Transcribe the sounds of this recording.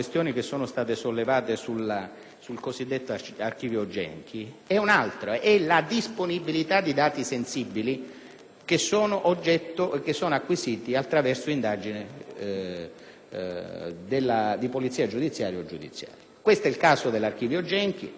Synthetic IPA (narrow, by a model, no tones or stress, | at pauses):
west̪joːnik̟esːoːnost̪aːt̪esolːevaːt̪esula | sulkosid̪ːet̪ːoark̟iːvjod͡ʒɛ̰ŋk̟ʰiɛunalt̪ɾoʔɛlad̪isponibilit̪ad̪ːid̪aːt̪isensibːili | k̟esːoːnoʔod͡ʒːɛt̪ːok̟esːoːnoakːwisiːt̪iat̪ːɾavɛrsoind̪aːd͡ʒinɪ | d̪elːad̪ipolit̪sːiːad͡ʒud̪it̪sːjaːɾjaod͡ʒːud̪ḭt̪sːja̰ːɾjakwest̪ɛilkaːsod̪elːark̟iːvjod͡ʒɛŋk̟ḭ